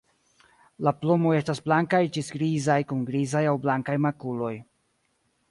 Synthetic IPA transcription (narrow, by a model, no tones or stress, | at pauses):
laplomo̞je̞stasblaŋkajt͡ʃisɡɾizajkunɡɾizajawblaŋkajmakulo̞j